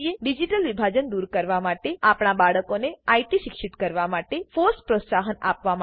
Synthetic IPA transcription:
ieɖid͡ʒiʈəlʋibʱad͡ʒənd̪uɾkəɾʋamaʈeapɳ̃abaɭəkoneajʈiʃikʃit̪kəɾʋamaʈefoɾspɾosaɦənapʋama

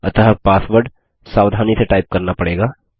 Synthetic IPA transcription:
ɐ̰t̪əɦəpaːsʋəɾɖ | saːʋd̪ʱaːniseʈaːɪp̚kɐɾnapɐɽeːɡaː

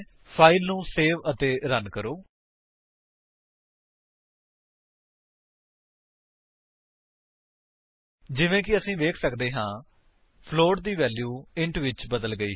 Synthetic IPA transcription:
pʰaːɪlnũːseːʋət̪eːɾənkəɾoː | d͡ʒɪʋẽːkɪəsĩːʋeːkʰsəkd̪eːɦãː | pʰloːɖd̪iːʋɛːljuːɪɳʈʋɪt͡ʃbəd̪əlɡəḭː

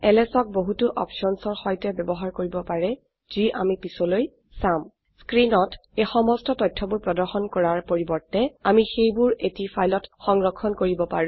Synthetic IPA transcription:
ɛlɛsɔk̚boɦutʊʔɔ̰pʃɔnsɔɹxɔjtɛbɛbɔɦaɹkoɹibɔpaɹɛ | z̥iʔa̰mipisɔloj | sam | skɹinɔtexɔmɔstɔtɔjtʰːɔbuɹpɹɔdɔɹxɔnkɔɹaɹpoɹibɔɹtɛamixejbʊɹetifʰajlɔtxɔŋɹɔkʰːɔnkoɹibɔpaɹũ

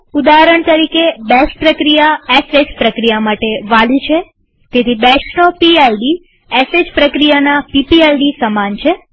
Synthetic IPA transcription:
ud̪aɦəɾəɳt̪əɾikebɛsʈ̚pɾəkɾijaesed͡ʒpɾəkɾijamaʈeʋalit͡ʃʰe | t̪et̪ʰibɛʃnopielɖi | esed͡ʒpɾəkɾijanapipielɖisəmant͡ʃʰe

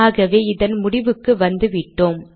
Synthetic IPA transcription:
ɣɐʋeːɪðɐnmʊɽɪʋɯkːɯʋɐnd̪ɯʋɪʈːoːm

